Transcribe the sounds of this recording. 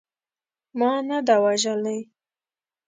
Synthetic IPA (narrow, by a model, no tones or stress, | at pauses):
mɑnad̪awaʒalaj